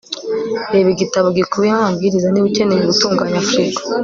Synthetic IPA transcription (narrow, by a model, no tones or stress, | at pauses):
ɾeβiɡitaβoɡikuβiahabɡiɾizaniβice̞nejuβutuːŋɡaɲafɾikḁ